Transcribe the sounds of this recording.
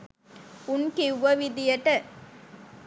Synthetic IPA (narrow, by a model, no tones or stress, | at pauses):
unkiwʋɐʋid̪ijɐʈɐ